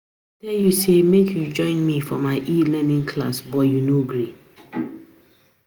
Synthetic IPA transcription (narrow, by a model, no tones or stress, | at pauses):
dɛjusemekʰjud͡ʒɔ̃ɪ̃nmifɔmaɪʔilɛnĩŋkʰla̰sbɔjunoɡɹi